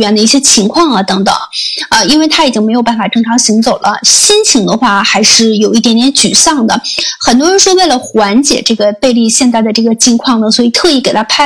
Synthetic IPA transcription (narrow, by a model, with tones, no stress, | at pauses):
ɥɛ˧˥nd̪ə˧i˥˩ɕjɛ˥t͡ɕʰi˧˥ŋkʰwɑ˥˩ŋɐ˩t̪ɤ˧˥ŋt̪ɤ̰˨˩˦ŋə˧i˥nwe˥˩ɪt̪ʰa˥i˨˩t͡ɕi˥ŋme˧˥ɪjpa˥˩n˩fa˨˩ʈ͡ʂɤ˥ŋʈ͡ʂʰɑ˧˥ŋɕi˧˥ŋt͡so˨˩ʊlʔə̰˦ɕi˥nt͡ɕʰi˧˥ŋd̪ə˧xwa˥˩xa˧˥ɪʂɻ̩˥˩jo˨˩ʊi˥t̪̬jɛ˧˥nt̪jɛ˧˥nt͡ɕy˨˩ɕɑ˥˩ŋd̪ə˩xə˨˩nt̪wɔ˥ɻə˧˥nʂwɔ˥we˥˩ɪlə˩xwa˧˥nt͡ɕjɛ̰˨˩ʈ͡ʂɤ˥˩ɡə˩pe˥˧ɪli˥˧ɕjɛ˥˧nt͡s̪a˥˩ɪd̪ə˩ʈ͡ʂɤ˥˩ɡə˩t͡ɕʰi˧˥ŋkʰwɑ˥˩ŋnə˩swɔ˧˥i˨˩t̪ʰɤ˥˧i˥˩ke˨˩ɪa˥pʰa˥˩